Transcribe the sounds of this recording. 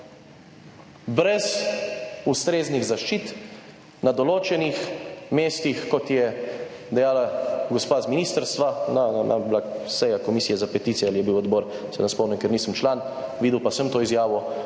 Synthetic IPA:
bɾɛz | ust̪ɾeːzniɣzaʃt͡ʃit̪ | nad̪ɔloːt͡ʃɛnixmeːst̪ixkɔt̪jɛ | d̪ɛjaːlaɡɔspaːzminiːst̪əɾst̪ʋanananʔablasɛjakɔmiːsijɛzapɛt̪iːt̪sijɛalijɛbiwɔd̪bɔːɾ | sɛnaspɔmnɛŋkɛɾniːsəmt͡ʃlaːn | ʋiːd̪əwpasəmt̪oːizjaːʋɔ

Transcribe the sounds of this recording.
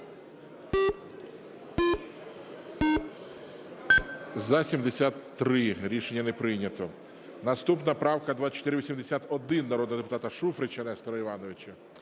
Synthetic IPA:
zɐsʲimd̪esʲat̪ːɾɪɾʲiʃenʲːɐnɛpɾɪjnʲɐt̪ɔ | nɐst̪upnɐpɾɑwkɐd̪ʋat͡ʃɔ̥t̪ɪɾɪʋisʲimd̪esʲat̪ɔd̪ɪnːɐɾɔd̪nɔd̪epʊt̪ɑt̪ɐʃufɾɪt͡ʃɐnɛst̪ɔɾɔiʋɑnɔʋɪt͡ʃɐ

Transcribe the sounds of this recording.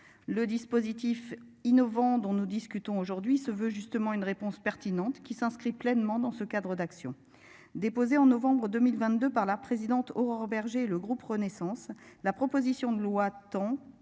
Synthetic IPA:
ləd̪ispozit̪ifinɔvɑ̃d̪ɔ̃nud̪iskʲyt̪ɔ̃oʒuʁd̪ɥisəvøʒyst̪əmɑ̃ynʁepɔ̃spɛʁt̪inɑ̃t̪kʲisɛ̃skχiplɛnmɑ̃d̪ɑ̃səkad̪ʁəd̪aksjɔ̰̃ | d̪epozeɑ̃nɔvɑ̃bʁəd̪ømilvɛ̃t̪̚d̪øpaʁlapχezid̪ɑ̃t̪ɔʁœʁbɛʁʒeːləɡʁupʁənesɑ̃slapχɔpozisjɔ̃d̪əlwat̪ɑ̃

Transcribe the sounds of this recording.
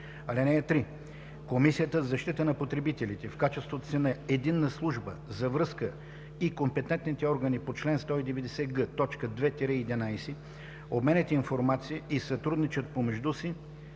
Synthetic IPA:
ɐlʲɛnɛɐt̪ɾi | komisiət̪əzɐʃt̪it̪ənɐpot̪ɾɛbit̪ɛlit̪ɛfkat͡ʃɛst̪vot̪osinɐed̪inːəslˠuʒbəzɐvɾɤskə | ikompɛt̪ɛnt̪nit̪ɛɔɾɡənipot͡ʃlɛnst̪ɔid̪ɛvɛd̪ɛsɛɡət̪ɔt͡ʃkəd̪vɛt̪ɛɾɛid̪inajsɛ | obmɛnɛt̪ʲinfoɾmat̪sijəʔisɐt̪ɾud̪nit͡ʃət̪̚pomɛʒd̪usi

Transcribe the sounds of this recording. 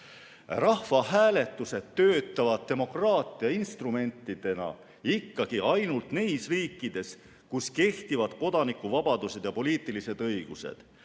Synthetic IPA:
rɑhvɑɦæːle̞t̪ˑːuse̞d̪t̪ːø̞ːt̪ˑːɑvɑd̪̥̚t̪e̞mo̞krɑːt̪ˑiɑinst̪rume̞nʲt̪ːˑid̪̥e̞nɑ̰ | ikːɑɡ̥iʔɑjnult̪nejsriːkːˑid̪̥e̞s | kuske̞ht̪ivɑd̪̥ko̞d̪̥ɑnikːuvɑbɑd̪use̞d̪̥jɑpo̞liːt̪ːˑilise̞d̪̥ɤjɡ̥use̞̰d̪̥

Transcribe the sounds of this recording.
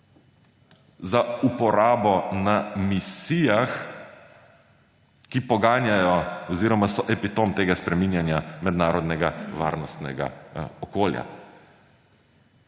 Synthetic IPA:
zaupɔɾaːbɔnamisijax | kipɔɡaːnjajɔɔziːɾɔmasɔʔɛpit̪omt̪eːɡaspɾɛminjanjamɛd̪naːɾɔd̪nɛɡaʋa̰ːɾnɔst̪nɛ̰ɡa̰ɔkoːlja̰

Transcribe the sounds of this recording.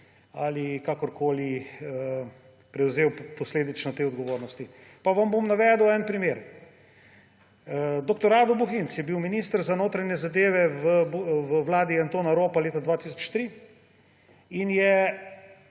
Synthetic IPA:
alikakɔɾkʰoːliə | pɾɛwzeːwpɔsleːd̪it͡ʃnɔt̪eːɔd̪ɡɔʋoːɾnɔst̪i | paʋɐmbomnaʋɛd̪uwɛnpɾimeːɾ | d̪ɔkt̪ɔɾaːd̪ɔbuxint̪sjɛbiwminist̪əɾzanoːt̪ɾanjɛzad̪eːʋɛʋəbʋəwlaːd̪iant̪oːnaɾoːpaleːt̪ad̪ʋat̪is̬ɔ̥t͡ʃt̪ɾi | injɛ

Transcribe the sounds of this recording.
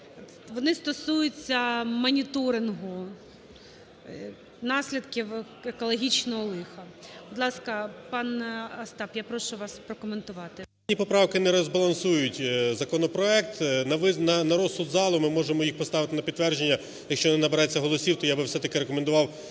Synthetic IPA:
ʋɔnɪst̪ɔsujʊt͡sʲːɐmɔnʲit̪ɔɾɪnɦʊ | nɑsʲlʲid̪kʲɪw | ekɔlˠɔɦʲit͡ʃnɔɦɔlˠɪxɐbʊd̪lˠɑskɐpɑnɐst̪ɑpjapɾɔʃʊʋɑspɾɔkɔment̪ʊʋɑt̪ɪ | nʲipɔpɾɑwkɪnɛɾɔzbɐlˠɐnsujʊtʲzɐkɔnɔpɾɔɛk̚t̪nɐʋɪnɐnɐɾɔssud̪zɑlˠʊmɪmɔʒemɔjixpɔst̪ɑʋɪt̪ɪnɐpʲid̪t̪ːʋɛrʒenʲːɐ | jɐkʃt͡ʃɔnɪnɐbeɾɛt͡sʲːɐɦɔlˠɔsʲiwt̪ɔjabɪwsɛt̪ɐkɪɾekɔmend̪ʊʋɑw

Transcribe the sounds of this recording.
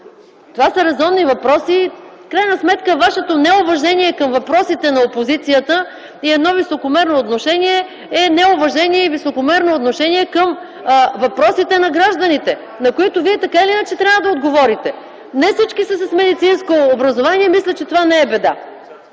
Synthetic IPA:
t̪ovasəɾɛzɔnːivɐpɾɔsifkɾajnɐsmɛt̪kəvaʃɛt̪onɛʊvɐʒɛniɛkɐmvɐpɾɔsit̪ɛnɐopozit̪sijət̪ə | iɛd̪nɔvisokomɛɾnoːt̪noʃɛniɛ | ɛnɛʊvɐʒɛniɛivisokomɛɾnoːt̪noʃɛniɛkəm | vɐpɾɔsit̪ɛnɐɡɾaʒd̪ənit̪ɛ | nɐkoit̪ʊviɛt̪ɐkailiinət͡ʃɛt̪ɾʲavvəd̪ɐod̪ɡovɔɾit̪ɛ | nɛfsit͡ʃkisəsɐsmɛd̪it̪sinskoːbɾɐzovaniɛmislʲɛt͡ʃɛt̪ovanɛɛbɛd̪a

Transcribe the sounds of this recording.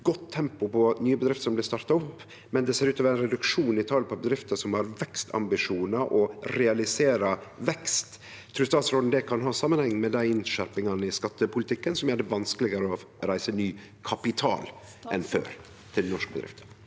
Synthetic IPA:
ɡɔt̪ʰːɛmpʊpɔnyːəbəd̪ɾɪft̪əʂɔmlɪst̪ɑɾt̪ɑɔpː | mɛnd̪ɛseːɾʉːt̪ɑːʋəɾæɪnɾɛd̪ʉkʂuːnɪt̪ʰɑlpʰɔbəd̪ɾɪft̪əsɔmhɑɾʋɛkst̪ʰɑ̰mbɪʂuːnɑʔɔɾɛɑlɪseːɾɑʋɛkst̪ | t̪ʰːɾʉːst̪ɑːt̪sɾɔːd̪nd̪ɛkʰɑnɦɑːsɑmːənhɛŋːmɛd̪æɪɪnʃæɾpɪŋɑnəɪskɑt̪ːəpʰʊlɪt̪ʰɪkːənsɔmjæːɖɛʋɑnskəlɪɡəɾəɔ | ɾæɪsənyː | kʰɑpɪt̪ʰɑ̰ːl | ʔɛnfø̰ːɾ | t̪ʰɪlnɔʂkəbəd̪ɾɪ̰ft̪ʰə̥

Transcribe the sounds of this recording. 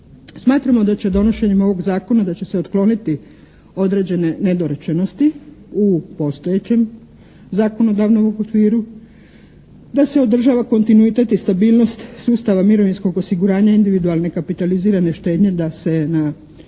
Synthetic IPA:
smaːt̪ɾamo̞d̪at͡ɕe̞d̪o̞no̞ʃe̞ɲemo̞ʋo̞ɡzaːko̞nad̪at͡ɕe̞seot̪klo̞nit̪i | o̞d̪ɾe̞ːd͡ʑe̞ne̞ne̞d̪o̞ɾet͡ʃe̞no̞st̪i | upo̞st̪o̞je̞t͡ɕe̞m | zaːko̞no̞d̪aʋnomokʋiːɾu | d̪ase̞o̞d̪r̩ʒaːʋako̞nt̪inuit̪e̞t̪ist̪abiːlˠno̞st̪suːst̪aʋamiɾo̞ʋinsko̞ɡo̞siɡuɾaːɲaind̪iʋid̪ualˠne̞kapit̪aliziːɾane̞ʃt̪e̞ːd̪ɲe̞d̪ase̞na

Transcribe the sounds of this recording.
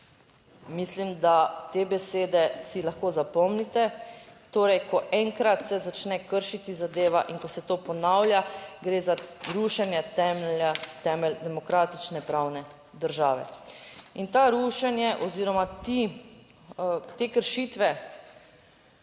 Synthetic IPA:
mislimd̪at̪eːbɛseːd̪ɛsilaxkoːzapɔmnit̪ɛt̪oːɾɛjkɔʔɛŋkɾat̪sɛzat͡ʃnɛkəɾʃit̪izad̪eːʋaʔiŋkɔsɛt̪oːpɔnawljaɡɾeːzaɾuːʃɛnjɛt̪ɛmɛlat̪ɛːmɛld̪ɛmɔkɾaːt̪it͡ʃnɛpɾawnɛ | d̪əɾʒaːʋɛ̰int̪aɾuːʃɛnjɛʔɔziːɾɔmat̪i | t̪eːkəɾʃiːt̪ʋɛ

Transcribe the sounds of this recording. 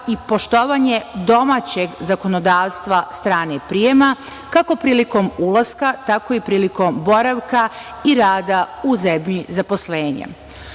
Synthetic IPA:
ipo̞ʃt̪o̞ʋaɲe̞d̪o̞maːt͡ɕe̞ɡzako̞nod̪aːʋst̪ʋast̪ɾaːnepɾijema | kako̞pɾiːliko̞mulaskat̪ako̞ipɾiːliko̞mbo̞ɾaʋka | iɾaːd̪auzemɲizapo̞sleːɲḛ

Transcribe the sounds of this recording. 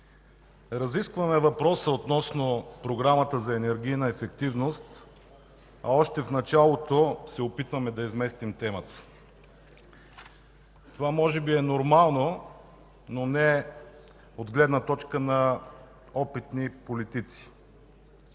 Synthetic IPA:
ɾɐziskvɐmɛvɐpɾɔsəot̪nɔsnopɾoɡɾamət̪əzɐɛnɛɾɡ̟ʲijnɐɛfɛkt̪ivnost̪ | ɐɔʃt̪ɛfnɐt͡ʃalˠot̪osɛopit̪vɐmɛd̪ɐizmɛst̪imt̪ɛmət̪ə̥ | t̪ovamɔʒɛbiɛnoɾmalˠno | nonɛ | od̪ɡlɛd̪nət̪ɔt͡ʃkənɐ | ɔpit̪nipolit̪it̪si̥

